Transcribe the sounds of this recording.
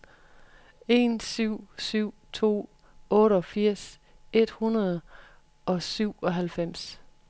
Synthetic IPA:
e̝nsyʊ̰syʊ̰t͡sʰo̝̰ː | ɔ̽ːɾəɒ̽fiɐ̰s | e̝d̥hunɐð̩ˠ | ɒ̽syʊ̰ɒ̽ɦælfem̰s

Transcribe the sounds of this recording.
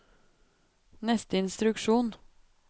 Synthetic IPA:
nɛst̪əɪnst̪ɾʉkʃuːn

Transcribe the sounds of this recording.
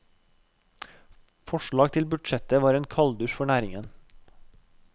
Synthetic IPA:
fɔʃɭɑːɡ̚t̪ʰɪlbʉɖʃɛt̪əʋɑːɾeːnkʰɑld̪ʉʃfɔɳæːɾɪŋən

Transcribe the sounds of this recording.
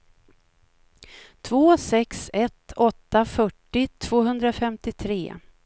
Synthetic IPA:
t̪ʰvoːsɛksɛt̪ɔt̪ːafœʈːɪt̪ʰv̥oːɦɵnd̪ɾafɛmt̪ɪt̪ʰɾḛː

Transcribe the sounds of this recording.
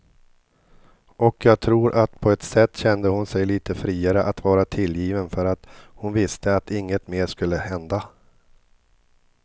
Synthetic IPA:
ʔɔkjɑːɡ̚t̪ʰɾuːɾʔat̪pʰɔɛt̪sɛt̪ːɕɛnd̪əhʊnsɛjliːt̪ʰəfɾiːaɾəʔat̪vɑːɾat̪ʰɪljiːvənfœɾat̪hʊnvɪst̪əat̪ɪŋːət̪meːʂkɵlːəhɛnd̪a

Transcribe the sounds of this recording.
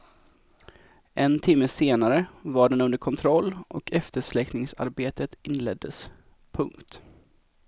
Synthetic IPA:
ʔɛnt̪ʰɪmːəseːnaɾəvaɖɛnɵnd̪əɾkʰɔnt̪ʰɾɔlːʔɔkʰɛft̪əʂlɛknɪŋsa̰ɾbeːt̪ət̪ɪnːlɛd̪ːəs | pʰɵŋkt̪

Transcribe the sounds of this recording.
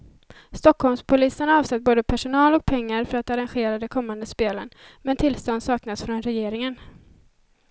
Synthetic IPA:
st̪ɔkhɔlmspʰʊliːsənaɑːvsɛt̪̚ːboːd̪əpʰæʂʊnɑːlɔk̚pʰɛŋːaɾfœɾat̪aɾanɧeːɾad̪ɛkʰɔmːand̪əspeːlənmɛnt̪ʰɪlst̪ɔnd̪sɑːknasfɾɔnɾɛjeːɾɪŋən

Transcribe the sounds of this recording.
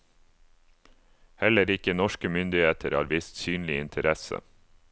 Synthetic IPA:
hɛləɾɪkənɔʃkəmʏnd̪ɪheːt̪ʰəɾɑ̰ːɾʋɪst̪syːnlɪɪnt̪ʰəɾɛsə̰

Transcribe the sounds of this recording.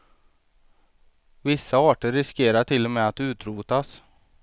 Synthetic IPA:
vɪsːaɑːʈəɾːɪskeːɾaʈʰɪlːɔmɛːat̪ʉ̟ːt̪ɾuːt̪as

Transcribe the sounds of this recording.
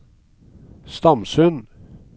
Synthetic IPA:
st̪ɑmsʉn

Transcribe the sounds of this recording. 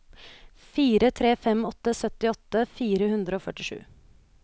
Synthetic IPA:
fiːɾət̪ʰɾeːfɛmɔt̪ːəsœt̪ɪɔt̪ːəfiːɾəhʉnd̪ɾəoːfœʈɪʂʉ̰ː

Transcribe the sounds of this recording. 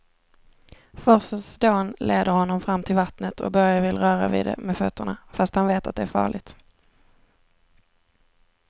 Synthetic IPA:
fɔsəsd̪oːnlʔeːd̪əɾhɔnːɔmfɾamːt̪ʰɪlvat̪nət̪ʰɔ̰k̚bœɾjavɪlɾœːɾa̰vḭːd̪ɛ̰mɛfœt̪ʰːəɳa̰fast̪hanveːt̪a̰t̪̚d̪ɛæɾfɑ̰ːɭɪɡt̪

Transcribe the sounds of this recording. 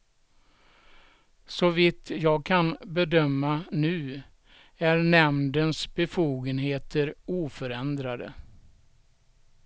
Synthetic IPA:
sɔvɪt̪ʰjɑːɡ̚kʰanbɛd̪œmːanʉ̟ː | æɾnɛmnd̪ənsbɛfuːɡənɦeːt̪ʰəɾuːfœɾɛnd̪ɾad̪ə̰

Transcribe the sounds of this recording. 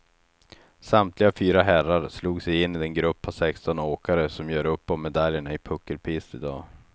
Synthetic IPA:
samt̪ʰlɪɡafyːɾaɦæraɾsluːɡsɛjɪnːiɛnɡɾɵpʰːasɛkst̪ɔnoːkaɾəsɔmjœːɾɵpːɔmmɛd̪aljəɳaɪpʰɵkːəlpʰiːst̪ɪd̪ɑː

